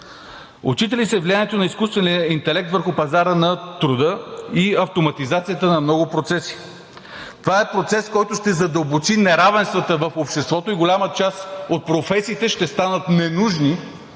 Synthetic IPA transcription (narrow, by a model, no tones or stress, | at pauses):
ʊ̰t͡ʃit̪ɛlisɛvlianɛt̪onɐiskust̪vɛniəint̪ɛlɛk̚t̪vəɾxʊpɐzaɾənɐt̪ɾud̪əiɐft̪omɐt̪izat̪sijət̪ənɐmnɔɡʊpɾot̪sɛsi̥ | t̪ovaɛpɾot̪sɛskɔjt̪ʊʃt̪ɛzɐd̪əlˠbot͡ʃinɛɾavɛnst̪vət̪əvəfopʃt̪ɛst̪vɔt̪oiɡolʲamət͡ʃasot̪̚pɾofɛsiːt̪ɛʃt̪ɛst̪anət̪nɛnuʒni